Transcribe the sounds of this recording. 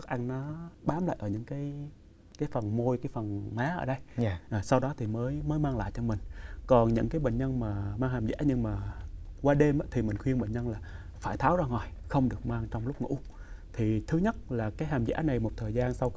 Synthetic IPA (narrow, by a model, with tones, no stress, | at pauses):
ɨ˦˥k̚ʔa˧ŋnɔ˨˦ɓaː˨˦mla̰ː˧˨jʔəː˧˩ɲɨ̰˧˥ŋkaː˨˦j | kaː˨˦jfə˨˩nmo˧jkaː˨˦jfə˨˩nmaː˨˦ʔəː˧˩ɗə˧jʔːsa˧wɗɔ˨˦t̪ʰi˨˩məː˨˦jməː˨˦jmaː˧ŋla̰ː˧˨jt͡ɕɔ˧mï˨˩ŋ̟kɔ˨˩nɲɨ̰˧˥ŋkaː˨˦jɓḛ˧˨nɲə˧nmaː˨˩maː˧ŋhaː˨˩mza̰ː˧˥ɲɨ˧ŋmaː˨˩kwaː˧ɗe˧mʔaː˨˦˥t̪ʰi˨˩mï˨˩ŋ̟xwi˧ənɓḛ˧˨nɲə˧nlaː˨˩ | faː˧˩jt̪ʰaː˨˦wzaː˧ŋɔ˨˩jxə˧wŋ͡mɗɨ˨˩ək̚maː˧ŋt͡ɕɔ˧wŋ͡mlʊ˦˥k͡p̚ŋṵ˧˥ | t̪ʰi˨˩t̪ʰɨ˨˦ɲə˦˥t̚laː˨˩kaː˨˦jɦaː˨˩mza̰ː˧˥na˨˩jmo˨˩t̚t̪ʰəː˨˩jzaː˧nsa˧wkː